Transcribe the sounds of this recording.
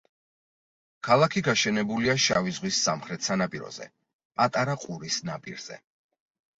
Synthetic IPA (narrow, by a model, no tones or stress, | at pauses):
kʰalˠakʰiɡaʃɛnɛbuliaʃavizʁwisːamχɾɛt̪sanapʼiɾɔ̰zɛ̰ | pʼat̪ʼaɾaqʼuɾisnapʼḭɾz̥ɛ̰